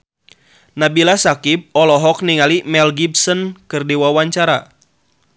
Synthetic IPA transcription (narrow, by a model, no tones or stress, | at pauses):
nabilasakip̚ɔlɔɦɔk̚niŋalimɛlɡib̚sɔnkɨrdiwawaɲt͡ʃaɾa